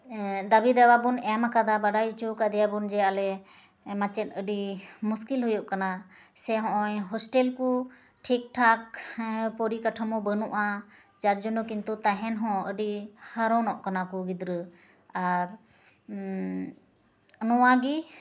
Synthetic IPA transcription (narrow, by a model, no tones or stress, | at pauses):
d̪abid̪ɛwabunɛmakʰad̪abaɖajuʔt͡ʃukad̪ɛjabund͡ʒɛalɛ | mat͡ʃɛt̪̚əɖimuskilɦujuʔkana | sɛɦɔ̃ʔɔjɦɔsʈɛlku | ʈʰik̚ʈʰak̚pɔɾikaʈʰəmɔbənuʔa | t͡ʃaɾd͡ʒɔnɔkint̪ut̪aɦɛnɦɔ̃əɖihəɾɔ̃nɔʔkanakuɡid̪ɾə | aɾ | ənɔwaɡi